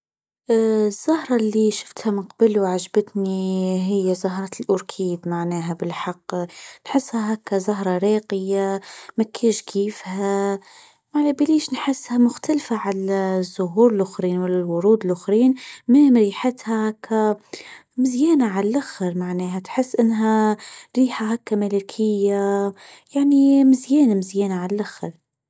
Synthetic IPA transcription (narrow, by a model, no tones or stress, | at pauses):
zːʊhɾˤɑlːiʃɪ̥ft̪hæmɪnqɑbəluwʕaʒbət̪niɦɪjːæzɑɦɾˤɑlʔʊɾkʰiːd̪maʕnɛːɦæbɪlħɑqːnħɪsːhaɦakæzɑɦɾˤɑɾɑːqəjamækʰːiːʃkʰiːfhæ | maʕnæbiliːʃnħɪsːhæmʊxt̪alfaʕalæzːʊɦuːɾɪlʔʊxɾiːnwɪlalwʊɾuːd̪ɪlʔʊxɾiːnmɪmɾiːħat̪hakʰa | mɪzjæːnaʕallʔaxɾmaʕneːɦæt̪ħɪsːʔɪnːɦæɾiːħaɦakːamalakʰɪjːajaʕnimɪzjɛːnamɪzjæːnaʕallʔaxɾ